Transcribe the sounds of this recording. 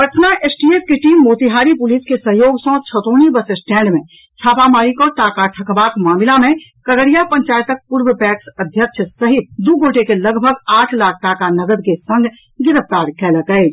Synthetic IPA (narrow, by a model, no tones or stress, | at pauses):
pəʈ̪ʰnaʔesʈiepʰkeʈimːot̪iɦaɾipʊliskesəɦjoːɡsə̃t͡ʃʰət̪onibəsəsʈɛ̃ːɳɖmẽ | t͡ʃʰaːpamaɾikɔːɾʈakaʈʰəkbakmaːmilamẽkəɾəɽijapəɲt͡ʃajt̪ək̚puɾbpɛksəd̪ʱjəkʃʰəsəɦit̪̚d̪uɡoʈekeləɡbʱəɡaːʈʰlak̚ʰʈakanəɡəd̪kesə̃ŋɡʱ | ɡɪɾəpʰt̪aɾkɛləkəɪt͡ʃʰ